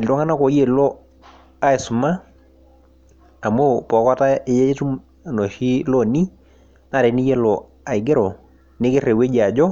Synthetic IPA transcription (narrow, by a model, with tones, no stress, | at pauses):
ɪ˨ldo˦ŋa˦na˦ko˨˦je˦˨lɔ˦ | a˦ɪ˨su˨ma˦ | a˨mo˦pɔ˨˦ka˦ta˦ɪ˦je˦tu˦m˨ | no˨ʃi˦lo˦ni˦ | na˨ɾe˨ni˦je˦lɔ˨ | a˨ɪ˨ɡe˦ɾo˨ | nɪ˦kɪ˦re˨we˦d͡ʒa˨d͡ʒɔ˦